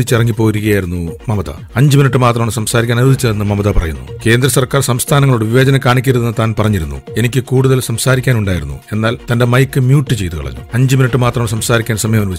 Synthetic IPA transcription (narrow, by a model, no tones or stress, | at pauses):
it͡ɕːirɐŋːipːo̞ːiɾuɣɐjaːjiɾunːumɐmɐðɐ̰ | ɐɲd͡ʑɨminiʈːɨmaːt̪rɐmaːɳɨsɐmsaːɾikʲːaːnɐud̪it͡ɕːɐenːɨmɐmɐðɐpɐrɐ̰junːṵke̞ːnd̪ɾɐsɐrkaːrsɐmst̪ʰaːnɐŋːɐɭuɽeʋiʋɐːd͡ʑɐnɐkaːɳikʲːɐɾuðenːɨt̪aːnpɐrɐɲːiɾunːṵe̞nikʲːɨkuːɽuðɐlsɐmsaːɾikʲːaːnuɳɖaːjiɾunːṵe̞nːaːlt̪ɐnde̞mɐjkːɨmjuːʈːɨt͡ɕe̞jt̪ukɐɭɐ̰ɲːṵɐɲd͡ʑɨminiʈːɨmaːt̪rɐmaːɳɨsɐmsaːɾikʲːaːnsɐmɐjɐmɐnuʋɐt͡ɕː